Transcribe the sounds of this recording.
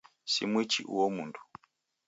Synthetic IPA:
sḭmwit͡ʃiʔṵwɔmundʰu̥

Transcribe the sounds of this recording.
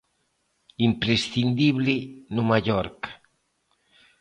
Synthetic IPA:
impɾesθind̪iβlɪnumaʎɔɾk

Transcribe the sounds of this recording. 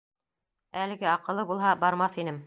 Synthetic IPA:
ælɘ̆ɡɘɑqɤ̆lˠːɤbulˠɦɑbɑɾmɑθinɘm

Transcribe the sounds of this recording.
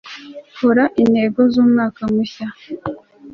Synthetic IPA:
huɾaʔinhe̞ɡo̞zuːmŋaːkamuça

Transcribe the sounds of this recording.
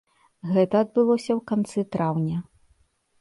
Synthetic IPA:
ɣɛt̪ɐːd̪̚bɨlˠɔsʲɐwkant̪sɨt̪ɾawnʲɐ

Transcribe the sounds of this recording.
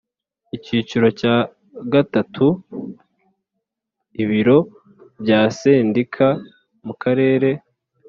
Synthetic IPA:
iciːt͡ʃiɾo̞caː | ɡatatʰu | iβiɾo̞ | bɟaːseːndikʰa | mukʰaɾe̞ːɾe̞

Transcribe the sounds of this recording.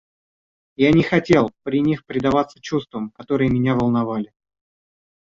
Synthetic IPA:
janʲɪxɐtʲe̞lˠpɾʲɪnʲixpɾʲɪd̪ɐvat̪sə̥t͡ɕust̪vəmkɐt̪o̞ɾɨjəmʲɪnʲavəlˠnɐvalʲɪ

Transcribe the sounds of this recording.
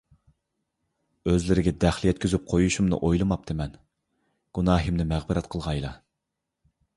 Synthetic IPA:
øzlɪɾɪɡʲɛd̪æχlˠjɛt̪̚kʲyzyp̚qʰojuʃumnɨ̰ʔojlˠɨmɑp̚t̪ʰɪmɛn | ɡ̥unɑːɦimnɪmæʁbɨɾɛt̪qʰəlˠʁɑjlˠɑ

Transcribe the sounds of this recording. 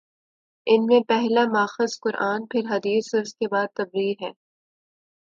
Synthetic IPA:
ɪnmẽpɛɦlamaːxɪzkʊɾʔaːnpʰɪɾɦɐd̪iːsʊɾskebaːd̪̚t̪ːɐbɾiːɾɦɛː

